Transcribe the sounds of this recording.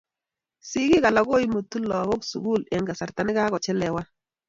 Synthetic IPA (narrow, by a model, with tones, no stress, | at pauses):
si˦kɪ˦ka˨la˨˦ɡo˦i˦mo˨tu˦lɔ˨ɣo˦ksṵ˨ɡu˦lɛ˨ŋɡa˨sa˨ɾta˨nɪ˦ka˦kɔ˨t͡ʃɛ˦lɛ˨wa˦